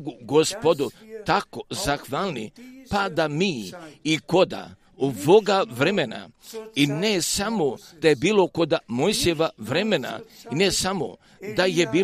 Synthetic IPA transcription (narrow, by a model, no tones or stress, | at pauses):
ɡuɡospod̪ut̪ako̞zaxʋaːlˠnḭpad̪amiːko̞d̪a̰ | oboɡaʋɾemena̰inesamod̪̥ajebiːlo̞ko̞d̪amojsijeʋaʋɾemena̰inesamo̰ | d̪aje̞biː